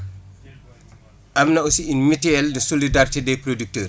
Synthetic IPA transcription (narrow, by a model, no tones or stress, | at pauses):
ʔɐmnɐosiinmitɛːldəsolidaɾitidɛjproduk̚təːr